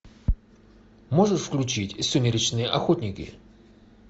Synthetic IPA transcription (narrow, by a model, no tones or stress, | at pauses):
moʐɨʂfklʲʉt͡ɕitʲsʲʊmʲɪɾʲɪt͡ɕnɨjəʔɐxotʲnʲɪkʲɪ̰